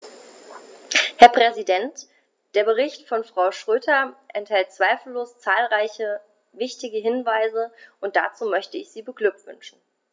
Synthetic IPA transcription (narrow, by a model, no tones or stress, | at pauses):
hɛɐpʁ̥ɛzidɛnt | d̥eːɐbəʁ̞ɪçtfɔnfʁ̥aʊʃʁ̥øːtʰɐʔɛnthɛlt̚t͡sv̥aɪfl̩ːoːst͡saːlʁaɪçə | vɪçtɪɡəɦɪnvaɪzəʔʊnt̚d̥a̰t͡suːmœçtəɪçz̥iːbəɡlʏk̚tv̥ʏ̰nʃn̩